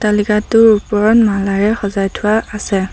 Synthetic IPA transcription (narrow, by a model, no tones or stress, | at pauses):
talikatʊɹupɔɹɔnmalaɹɛxɔzajtʰʊwaːsɛ